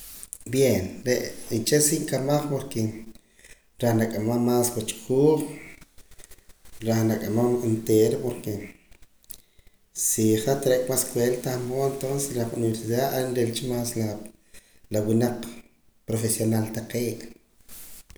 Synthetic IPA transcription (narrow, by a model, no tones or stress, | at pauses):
bjenɾeʔint͡ʃesiʔŋkamaχpoɾke | ɾahnakʼamamaːswat͡ʃqʰuːχ | ɾaχnakʼamaent̪eːɾopoɾke | siχat̪aɾakʼmaskwelt̪aχmoent̪onse̥sɾaχuniβeɾsiðaːaenɾelt͡ʃimaːsla | lawinaq͡χ | pɾofesjonalt̪aqeːʔ